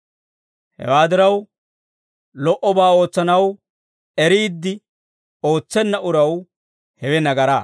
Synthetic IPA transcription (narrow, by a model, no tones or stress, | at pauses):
hɛ̰waːd̪ɪɾɐw | lɔʔɔbaːo̞ːt͡sːɐnɐw | ɛɾiːd̪ːɪ | o̞ːt͡sːɛnːɐʔʊɾɐw | hɛwɛnɐɡɐɾa̰ː